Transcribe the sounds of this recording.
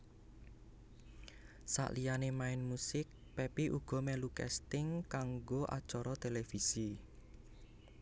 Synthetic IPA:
sa̰ʔlijanemaɪnmusɪk̚ | pepiʔuɡ̥ɔ̤mɛlukɛ̰st̪ɪŋkaŋɡoʔa̰d̥t͡ʃɔɾɔt̪elefisi

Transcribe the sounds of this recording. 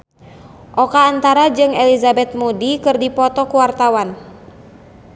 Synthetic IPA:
ʔɔkaːnt̪aɾad͡ʒɨŋɛlizabɛt̪̚mudikɨrdipɔt̪ɔkuwart̪awan

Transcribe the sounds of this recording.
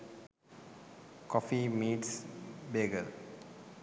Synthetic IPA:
kɔfimiːʈsbeɡəl

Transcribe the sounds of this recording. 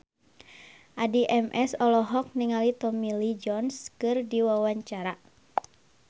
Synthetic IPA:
ʔadiʔɛmʔɛsɔlɔɦɔk̚niŋalit̪ɔmilid͡ʒɔnskɨrdiwawaɲt͡ʃaɾa

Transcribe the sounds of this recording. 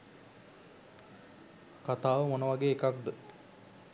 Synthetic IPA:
kat̪aːʋəmonəʋaɡeːkak̚d̪ə

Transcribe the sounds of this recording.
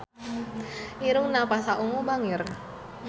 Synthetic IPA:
ʔiɾuŋnapasaʔuŋubaŋir

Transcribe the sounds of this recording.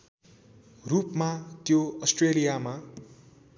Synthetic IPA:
rupmat̪joʌsʈrelijama

